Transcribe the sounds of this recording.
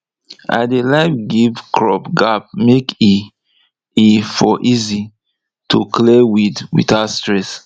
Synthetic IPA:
ʔa̰ɪdelaɪfɡivkʰɹɔpɡap̚meki | ifɔʔizi | tʰuklewidwḭtastɹɛs

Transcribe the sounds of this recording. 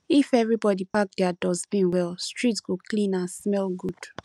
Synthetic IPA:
ifɛvɹibɔdipak̚dɛadɔzbĩnwɛlstɹ̥itsɡ̥oklĩnãnsmɛlɡud̥

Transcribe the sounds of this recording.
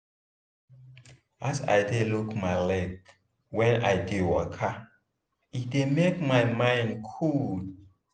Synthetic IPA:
asa̰jdelukmajlɛk | wɛ̃na̰jdewɔkʰa | it̚demekmajmãɪ̃ndkʰud

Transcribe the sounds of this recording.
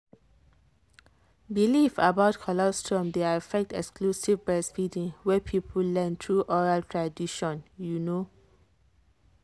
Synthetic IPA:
bilifəbaʊtkʰɔlastʰɹə̃mdeafɛk̚tɛkskʰlusivbɛsfidĩŋwɛpʰipʰəllɛ̃nt̪ʰɹuʔɔɹaltʰɹadiʃɔ̃njuno

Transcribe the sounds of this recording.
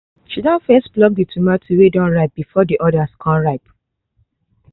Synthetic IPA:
t͡ʃidãfɛsblɔk̚ditʰumatʰuwedɔ̃nɹaɪp̚bifɔdiʔɔdaskʰɔ̃nɹaɪp

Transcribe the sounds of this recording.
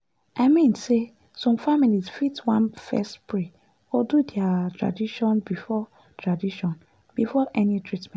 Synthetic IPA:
aɪmĩnse | sɔ̃mfamilizfitwãnfɛ̰stpʰɹe | ɔdudɛatʰɹa̰diʃɔ̃nbifɔ | tʰɹadiʃɔ̃n | b̥ifɔʔɛnĩtʰɹitmɛ̃

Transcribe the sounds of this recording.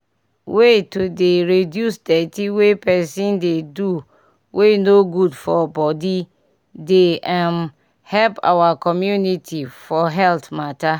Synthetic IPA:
wetodeɹedjusdɛtiwepɛsĩndedu | wʔenoɡudfɔbɔdi | deʔãm | hɛlpa̰wakʰɔmjunitʰifɔɦɛltmata

